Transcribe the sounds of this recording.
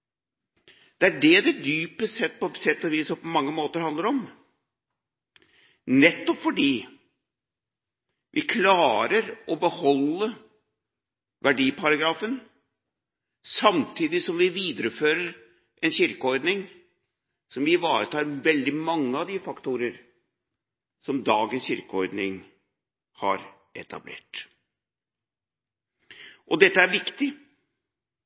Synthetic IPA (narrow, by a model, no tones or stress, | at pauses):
d̪̥ɛæɖɛd̪ɛd̪yːpəsɛt̪ːpɔsɛt̪ːɔʋiːsɔmpɔmɑŋːəmoːt̪əɾhɑnd̪əɾɔm | nɛt̪ːɔpfɔɖiː | ʋʔɪkʰlɑːɾəɾʔɔbəhɔlːə | ʋʔæɖiːpʰɑɾɑɡɾɑːfən | sɑmt̪ʰiːd̪ɪsɔmʋɪʋiːd̪əɾəføːɾəɾ | ʔɛnɕʏɾkəɔɾd̪nɪŋ | sɔmʋɪʋɑːɾət̪ʰɑːɾʋɛld̪ɪmɑŋːəɑʋd̪ɪfɑkt̪uːɾəɾ | sɔmd̪ɑːɡənsçʏɾkəɔɾd̪nɪŋ | hɑ̰ɾ | ʔɛ̰t̪ʰɑ̰blḛːʈ | ʔɔd̪ɛt̪ːəæɾʋɪkt̪ɪ